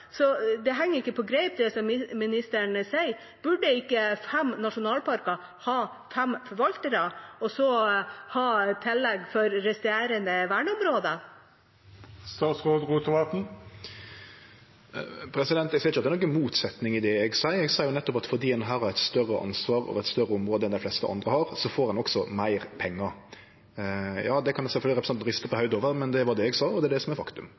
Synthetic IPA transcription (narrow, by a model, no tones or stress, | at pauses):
sɔd̪ɛɦɛŋːəɾɪkːəpʰɔɡɾɛɪp̚t̪ʰd̪ɛsɔmmɪnɪst̪æɳəsæɪ | b̥ʉɖːəɪkːəfɛmnɑʂʊnɑːlpɑɾkɑ | hɑː | fɛmfɔɾʋɑlt̪əɾɑɔsɔhɑːt̪ʰɪlːɛɡfɔɾɾɛst̪eːɾənd̪əʋæːɳəʊmɾoːd̪ə | st̪ɑːt̪sʁoːd̪ʁuːt̪ʰəʋɑt̪n̩ | pʰɾɛsɪd̪ɛnt̪ɛɡsɪɾɪt͡ʃːɑt̪ːɛɾnɔkːənmuːt̪sɛt̪nɪŋɪd̪ɛɛɡsæɪəɾɛɡsɑːjʊnɛt̪ːɔpɑt̪fɔd̪iːɛnɦɑːɾhɑɾɛɪt̪st̪œrːəʔɑ̰nsʋɑːɾɔ̰ʋɛt̪st̪œɾːəɔmɾoːd̪əɛnd̪ɪflɛst̪əʔɑ̰nd̪ʁəhɑɾsɔfoːɾɑnɔksɔmæɪɾpʰɛŋːə | jɑːd̪ɛkʰɑnsɛlfœlɪɾɛpɾsɑnt̪nɾɪst̪əpɔhœʉd̪oːʋəɾmɛnd̪ɛʋɑd̪ɛɛɡsɑːɔd̪ɛd̪ɛsɔmɛɾfɑkt̪ʉm